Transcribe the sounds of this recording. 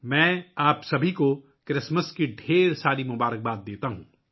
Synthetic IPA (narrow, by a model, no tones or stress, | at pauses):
mɛ̃ːaːpsɐbʱiko | kɾɪsməskiɖʱeːɾsaːɾimʊbaːɾək̚baːd̪̚d̪eːt̪aɦũː